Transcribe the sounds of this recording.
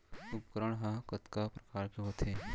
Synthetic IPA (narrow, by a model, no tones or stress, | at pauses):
up̚kəɾəɽ̃ɦãkɐt̪kapɾɐkaːɾkeɦoːt̪ʰeː